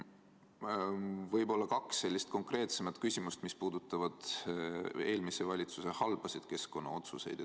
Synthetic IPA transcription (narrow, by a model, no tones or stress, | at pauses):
vɤjbo̞lːɑkɑkse̞lʲːist̪̚ko̞ŋkre̞ːt̪se̞mɑt̪ˑkysʲimust̪mispuːd̪ut̪ːˑɑvɑd̪̥ | e̞ːlmise̞vɑlʲit̪suse̞hɑlb̥ɑsid̪̥ke̞sko̞nːɑ̰o̞t̪suse̞̰jd̪̥